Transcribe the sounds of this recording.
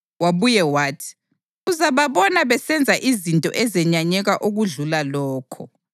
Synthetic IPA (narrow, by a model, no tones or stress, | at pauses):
waβujɛwaːtʰi̥ | uzaβaβɔnaβɛsɛnd͡zʱaʔizintʼɔ̰ʔɛzɛɲaɲɛɣaʔuɣuɮulalɔːkʰɔ̰